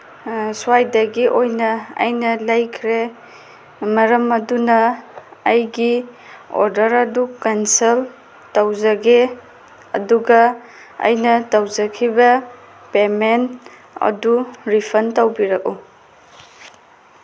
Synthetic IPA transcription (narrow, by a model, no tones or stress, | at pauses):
suajdɐɡiʔojnɐɐ̰jnɐlɐjkʰɾe | mɐɾɐmɐdunɐː | jɡi | o̰ɾdɐɾɐdukansel | tawzɐɡe | ɐ̰duɡɐ | ɐ̰jnɐtawzɐkʰibɐ | pemen | ɐ̰duɾipʰɐntawbiɾɐk̚u